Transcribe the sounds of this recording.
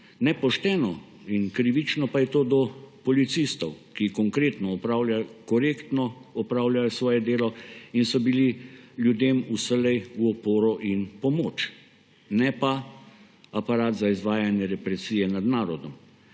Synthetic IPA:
nɛpɔʃt̪ɛːnɔ | inkɾiʋit͡ʃnɔpajɛt̪oːd̪ɔpɔlit̪sist̪ɔwkikɔŋkɾeːt̪nɔɔpɾaːwljakɔɾeːkt̪nɔɔpɾaːwljajɔsʋɔːjɛd̪eːlɔinsɔbililjud̪eːmusəlɛjuɔpoːɾɔʔinpɔmoːt͡ʃ | nɛpa | apaɾaːt̪zaizʋaːjanjɛɾɛpɾɛsiːjɛnad̪naːɾɔd̪ɔm

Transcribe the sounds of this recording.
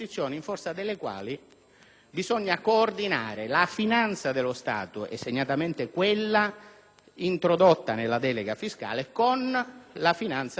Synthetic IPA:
it̪sːjɔːniɱfɔrt̪sad̪elːekwa̰ːli | bizɔɲːakoːrd̪inaːɾɪlafinant̪sad̪elʊst̪a̰ːt̪ʊɛ̰sːeɲːat̪ament̪ɪkwelːa | int̪ɾod̪ot̪ːanelːad̪ɛːleɡafiska̰ːlekonlafinant̪s

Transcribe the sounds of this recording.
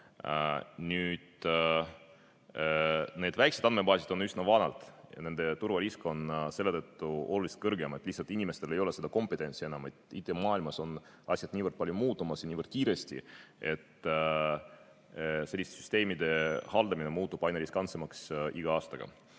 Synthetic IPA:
nyːd̪̥ | ne̞ːd̪væjksed̪ɑnme̞bɑːsid̪o̞nysnɑvɑnɑ̰lt̪ˑjɑ̰e̞nd̪̥e̞t̪urvɑɾisko̞nse̞lːe̞t̪ɤt̪ːuo̞lulist̪kɤrɡeme̞t̪ːlihsɑlt̪inʲime̞st̪e̞le̞jo̞le̞se̞d̪ɑko̞mpet̪ːˑe̞nʲsie̞nɑmet̪it̪ːˑemɑːilmɑso̞n | ɑsʲjɑd̪̥nʲiːvərd̪̚pɑljumuːt̪ːˑumɑsjɑnʲiːvərd̪̥̚kiːɾe̞st̪ʲḭe̞t̪ː | se̞lʲːist̪esy̥st̪e̞ːmid̪e̞hɑld̪̥ɑmine̞muːt̪ˑːub̥ɑjneɾiskɑnt̪semɑksiɡ̥ɑɑːst̪ɑɡ̥ɑ̰

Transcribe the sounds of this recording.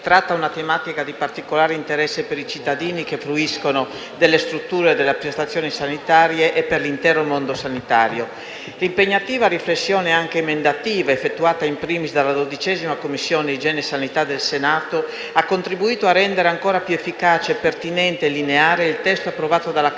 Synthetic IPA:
t̪ɾat̪ːaunat̪emaːt̪ikad̪ipart̪ikolaːɾeint̪eɾɛsːepeɾit͡ʃit̪ːad̪iːnikefɾuiskono | d̪elːest̪ɾut̪ːuːɾeed̪eleapɾest̪at̪sːjoːnisanit̪aːɾjeʔepːerlint̪ɛːɾomond̪osanit̪aːɾjo | limpeɲːat̪iːvaɾiflesːjoːneaŋkemend̪at̪iːvaefːet̪ːuaːt̪aimpɾiːmisd̪alːad̪od̪it͡ʃɛːzimakomːisːjoːneid͡ʒɛːnesanit̪ad̪elsenaːt̪o | akːont̪ɾibuiːt̪oarːɛnd̪eɾeaŋkoːɾapjuefːikaːt͡ʃeːpːert̪inɛnt̪elineaːɾeilt̪ɛst̪oapːɾovaːt̪od̪ala

